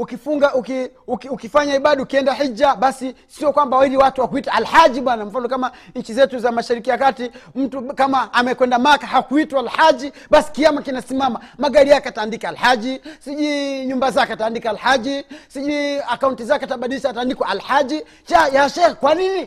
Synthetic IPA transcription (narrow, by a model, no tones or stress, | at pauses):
ukifuŋɡaʔuki | ukukifaɲaiɓaɗiukiɛndahid͡ʒaɓasi | siɔkwambawaiɾiwatuwakuitaalhad͡ʒiɓwanam̩fanɔkamaɲ̩t͡ʃizɛtuzamaʃaɾikijakatim̩tukamaːmɛkwɛndamakahakuitwaalhad͡ʒi | ɓasi̥kiamakinasimamamaɡaɾijakɛataːndikaalhad͡ʒisiʄuɲumbazakɛataːndikaalhad͡ʒisiʄuiakauntizakɛataɓaɗiliʃataːndikwaalhad͡ʒi | t͡ʃajaʃɛkwanini